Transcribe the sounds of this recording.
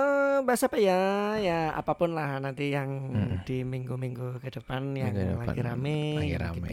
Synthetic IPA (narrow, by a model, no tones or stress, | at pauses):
əbaasapajajaa̰papʊnlahnant̪ijaŋd̥imiŋɡumiŋɡukəd̥əpanjaŋlaɡ̰iɾa̰mɪaiɾa̰m̰